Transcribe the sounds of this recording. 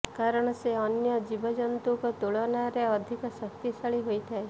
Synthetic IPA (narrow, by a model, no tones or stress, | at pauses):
kaɾəɽ̃seənjəd͡ʒibəd͡ʒənt̪ukot̪uɭɔnaɾeəd̪ʱikɔʃəkt̪isaɭiɦoit̪ʰae